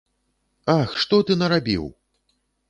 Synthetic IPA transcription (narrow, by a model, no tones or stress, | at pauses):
axʂt̪ɔt̪ɨnɐɾabʲḭw